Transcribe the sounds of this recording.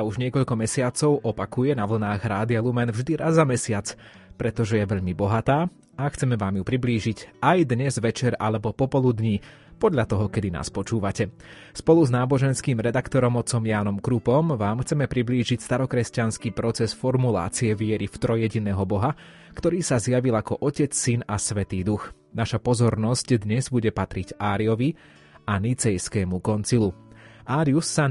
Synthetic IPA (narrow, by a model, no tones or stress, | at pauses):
auʒɲɪɛkɔʎkɔmɛsɪat͡sɔʊʔɔpakujɛnaʋl̩naːɣɾaːd̪ialumɛnvʒd̪iɾʔazːamɛsɪat͡s | pɾɛt̪ɔʒɛjɛʋɛʎmibɔɦat̪aː | axt͡sɛmɛʋaːmjupɾibliːʒicajd̪ɲɛzʋɛt͡ʃɛɾa̰lɛbɔpɔpɔlˠud̪ɲi | pɔd̪ʎat̪ɔɦɔkɛd̪ina̰ːspɔt͡ʃuːʋacɛ | spɔluznaːbɔʒɛnskiːmɾɛd̪akt̪ɔɾɔmɔt̪t͡sɔmjaːnɔmkɾupɔmʋaːmxt͡sɛmɛpɾibliːʒicst̪aɾɔkɾɛscanskiːpɾɔt͡sɛsfɔɾmula̰ːt͡siɛʋɪɛɾift̪ɾɔjɛɟinɛːɦɔbɔɦa | kt̪ɔɾiːsazjaʋilakɔʔɔcɛt͡ssinasʋɛt̪iːd̪ux | naʃapɔzɔɾnɔscd̪ɲɛzbuɟɛpat̪ɾiɟaːɾiɔʋi | anit͡sɛjskɛːmukɔnt͡siluʔaːɾiusːa